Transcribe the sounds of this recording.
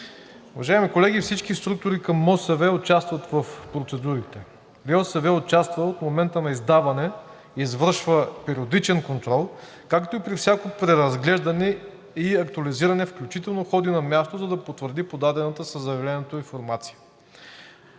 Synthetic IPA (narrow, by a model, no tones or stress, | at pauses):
uvɐʒaimikolɛɡifsit͡ʃkist̪ɾuk̚t̪ʊɾikɐmːɔsɛvɛot͡ʃast̪vɐt̪vɐfpɾot̪sɛd̪uɾit̪ɛ | ɾiɔsəvɛot͡ʃast̪vəot̪momɛnt̪ənɐizd̪avɐnɛ | izvəɾʃvəpɛɾiod̪it͡ʃɛnkont̪ɾɔlˠ | kakt̪oipɾifsʲjakopɾɛɾɐzɡlɛʒd̪ɐnɛ | iɐkt̪uɐliziɾɐnɛfklʲut͡ʃit̪ɛlˠnoxɔd̪inɐmʲjast̪ozɐd̪ɐpot̪vəɾd̪ipod̪ad̪ɛnɐt̪əsəzɐvɛlɛnot̪oinfoɾmat̪si̥jə̥